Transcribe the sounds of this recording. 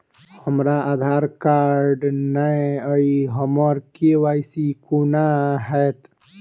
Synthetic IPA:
həmɾaʔaːd̪ʱaːɾkaɾɾɖnajəiɦəmɔɾkeʋaːjsikunaɦɛt̪

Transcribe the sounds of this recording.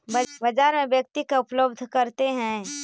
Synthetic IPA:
bɐd͡ʒaːɾmẽbjɐk̚t̪ikaʊpləbd̪ʱkɐɾt̪eɦɛ̃ː

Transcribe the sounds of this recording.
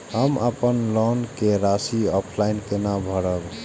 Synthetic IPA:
ɦəməpənlɔnkeɾasiɔpʰlainkenabʱəɽəb

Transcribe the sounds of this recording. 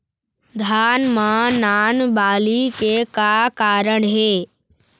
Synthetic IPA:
d̪ʱaːnmãnaːnbaːlikekakaːɾəɳɦeː

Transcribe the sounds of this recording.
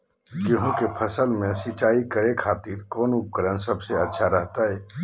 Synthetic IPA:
kɪɦũkepʰɐsəlmẽsit͡ʃaːikəɾekʰaːt̪iːɾkɔːnʊp̚kəɾənsɐbseɐtːʃʰaɾəɦt̪aɦɛː

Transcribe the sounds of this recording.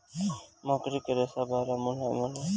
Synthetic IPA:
mõːkɾiːkəɾeːsaːbaːɾaːmʊnaːmʊna

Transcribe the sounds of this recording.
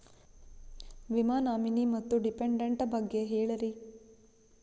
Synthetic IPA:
ʋimaːnaːminimɐt̪ːuɖipeɳɖeɳʈɐbɐɡːeɦeːɭɐɾi

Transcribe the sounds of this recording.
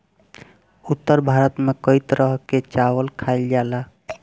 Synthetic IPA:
ut̪ːəɾbʱaɾət̪mekəjt̪ɾəɦket͡ʃawəlkʰaɪld͡ʒala

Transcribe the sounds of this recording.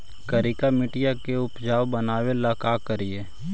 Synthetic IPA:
kəɾɪkamɪʈɪjakeʊpd͡ʒaːwbənaːwelaːkaːkəɾieː

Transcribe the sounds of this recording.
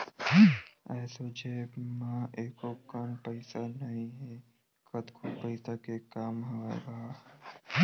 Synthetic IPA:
ɛːsod͡ʒeːmãeːkokəmpəɪsanɐɦĩɦɛ | kət̪kʰopəɪsakekaːmɦoḛɡaː

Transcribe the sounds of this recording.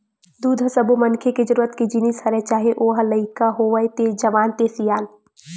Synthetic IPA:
d̪uːd̪ʱɐsəbomɐnkʰeked͡ʒəɾuːɾət̪kid͡ʒinishɐɾɛt͡ʃaːɦeʔoːɦɐlɐɪkaɦoːʋəjt̪ed͡ʒɐʋaːnt̪esijaːn

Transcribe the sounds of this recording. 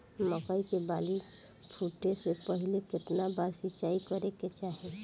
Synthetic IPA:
məkaikebali | pʰuʈːesepəɦileket̪nabaɾsit͡ʃaikəɾeket͡ʃaɦe

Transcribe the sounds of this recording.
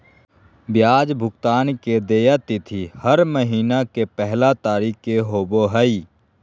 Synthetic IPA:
bjaːd͡ʒbʱʊkt̪aːnked̪eːjat̪it̪ʰihəɾməɦiːnakepɛɦlat̪aːɾiːkːeɦoːboɦəi

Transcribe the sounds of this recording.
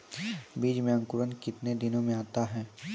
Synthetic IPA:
biːd͡ʒmẽɐ̃ŋkʊɾənkɪt̪ned̪ɪnõmẽaːt̪aɦɛː

